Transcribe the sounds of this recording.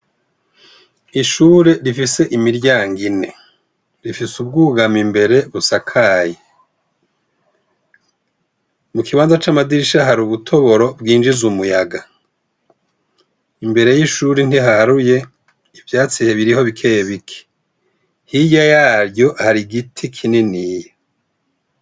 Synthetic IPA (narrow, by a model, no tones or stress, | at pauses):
iʃuɾe̞ɾifise̞ʔimiɾɟaːŋɡine̞ | ɾifisub̚ɡuːɡamimbe̞ɾe̞βusakʰaːje | mukiβaːnzat͡ʃamadiʃaɦaɾuβutʰo̞βo̞ɾo̞bɡiːnd͡ʒizumujaɡa | imbe̞ɾe̞jiʃuɾin̥iɦahaɾuje̞ | ivjaːt͡sijeβiɾiho̞βikʰejeβikʰe̥ | hijajaːɾjo̞haɾiɡitʰikʰininijo